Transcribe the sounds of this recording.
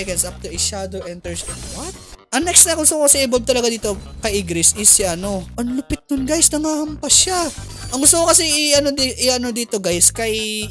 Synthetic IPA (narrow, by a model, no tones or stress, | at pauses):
ɛkɐ̃nsʔap̚t̪uɪʃad̪oʔɛnt̪ɛɹsɛ̃nd̪wɐt̪̚ʔɐŋnɛkst̪ɐɐŋɡʊst̪ʊkokɐsɛʔɪbolb̚t̪ɐlɐɡad̪iːt̪o̞kɐjʔɪɡɾɪsʔɪsːɪʔɐno̞ʔɐnlʊpɪt̪̚nʊnɡajsnɐŋahɐmpɐʃa | ʔɐŋɡʊst̪ʊkokɐsɛɪʔɐnod̪ʔɪʔɐno̞d̪iːt̪o̞ɡajskɐj